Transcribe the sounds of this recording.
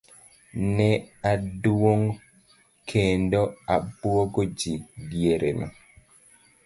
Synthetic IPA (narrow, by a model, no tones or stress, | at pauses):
nɛadwoŋ | kʰendoabwɔɡod͡ʒidjeɾenɔ̰